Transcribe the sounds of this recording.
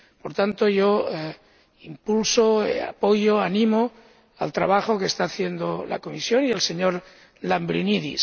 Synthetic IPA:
po̞ɾt̪ant̪o̞ʝo̞ | impulsoa̰po̞joanĩmo | a̰lt̪ɾa̰βaxokest̪aːθje̞nd̪ola̰ko̞misjo̞nielseɲo̞ɾ | lambɾiniðḭs

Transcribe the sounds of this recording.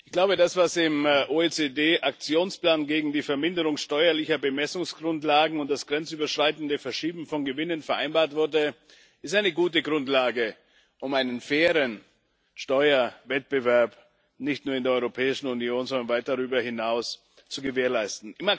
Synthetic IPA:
ʔɪçɡ̥laʊbədasv̥asɪmʔoet͡sedeːʔak̚t͡sjoːnspl̥aːnɡeːɡŋ̩diːfɛɐmɪndəʁʊŋʃtɔʏɐlɪçɐbəmɛsʊŋsɡ̥ʁʊntlaːɡŋ̩ʊnt̚d̥asɡ̥ʁɛnt͡syːbɐʃʁ̥aɪtn̩dəfɛɐʃiːbm̩fɔnɡəvɪnənfɛɐʔa̰ɪnbaːɐtv̥ʊɐdə | ʔɪstʔaɪnəɡuːt̬əɡʁʊntlaːɡə | ʔʊmaɪnənfɛːʁən | ʃtɔʏɐvɛt̚b̥əvɛɐp | nɪçtnuːɐɪndeːɐʔɔʏʁopʰɛːɪʃn̩unjoːnzɔndɐnvaɪt̚d̥aʁyːbɐhɪnaʊs | t͡suɡəveːɐlaɪstn̩ʔɪma

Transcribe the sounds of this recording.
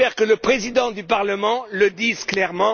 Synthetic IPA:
ɛʁkələpχezid̪ɑ̃d̪ypaʁləmɑ̃ləd̪izklɛʁmɑ̃

